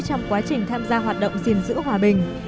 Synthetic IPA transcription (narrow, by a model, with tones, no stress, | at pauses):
t͡ɕɔ˧wŋ͡mkwaː˨˦t͡ɕï˨˩ŋ̟t̪ʰaː˧mzaː˧ɦwaː˨˩t̚ɗə̰˧˨wŋ͡mzi˨˩ənzɨ̰˧˥ɦwaː˨˩ɓï˨˩ŋ̟